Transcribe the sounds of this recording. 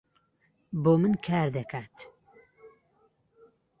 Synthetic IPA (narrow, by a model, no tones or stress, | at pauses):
boːmɨnkʰaːɾd̪ɐkʰaːt̪